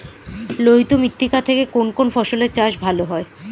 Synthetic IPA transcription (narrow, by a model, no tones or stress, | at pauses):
loɦit̪omit̪ːikat̪ʰekekonkonfɔʃoleɾt͡ɕaʃbʱaloɦɔe